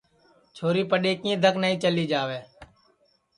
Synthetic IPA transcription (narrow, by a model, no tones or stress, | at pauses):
t͡ʃʰoːɾiːpəɗeːkĩːd̪ʱəknaːĩːt͡ʃəliːd͡ʒaːʋeː